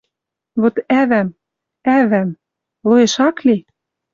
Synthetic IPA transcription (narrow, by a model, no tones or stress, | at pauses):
βot̪æβæm | æβæm | loĕʃɑkle